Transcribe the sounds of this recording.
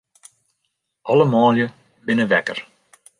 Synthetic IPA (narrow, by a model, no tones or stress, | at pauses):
ʔɔləmɔːljə | bɪnəʋɛkə̰r